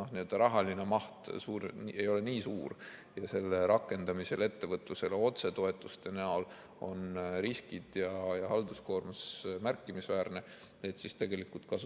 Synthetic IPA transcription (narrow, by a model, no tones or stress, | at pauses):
oniød̪̥ɑɾɑɦɑlinemɑht̪suːɾe̞jo̞leniːsuːrjɑse̞lːeɾɑkˑːe̞nd̪̥ɑmise̞le̞t̪ːe̞vɤt̪ˑluse̞leo̞t̪se̞t̪o̞e̞t̪ːˑust̪e̞næol | o̞nɾiskid̪̥jɑjɑhɑld̪usko̞ːrmɑsmærkːimisvæːrne̞ | et̪sist̪e̞ɡe̞likult̪̚kɑsu